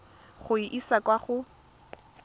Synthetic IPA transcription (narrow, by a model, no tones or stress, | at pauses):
χʊiʔisakwaχʊ